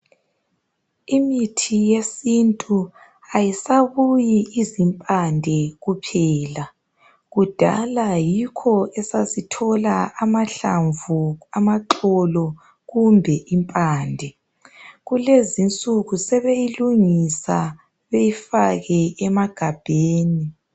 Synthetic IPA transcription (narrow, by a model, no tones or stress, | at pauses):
imitʰijesintʼu | ajisaβujiizimpʼandʱɛɣupʰɛːla | ɣud̥ʱa̰lajikʰɔɛsasitʰɔlaːmaɬaɱvuamaǁɔlɔ | ɣumbʱɛʔimpʼaːndʱɛ | ɣulezint͡sʼuɣusɛβejiluŋisa | βejifaɣɛɛmaɡ̥ʱab̥ʱeːni